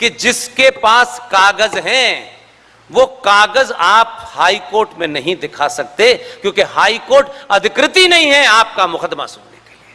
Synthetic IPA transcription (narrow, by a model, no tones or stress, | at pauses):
kid͡ʒɪskepaːskaːɡəzɦɛ̃ | ʋokaːɡəzaːp̚haːikoːɾʈmẽnɐɦĩd̪ɪkʰasɐk̚t̪ekjõːkeɦaːikoːɾʈɐd̪ʱɪkɾɪt̪inɐɦĩɦɛaːp̚kamʊkəd̪ma̰sʊnleɡe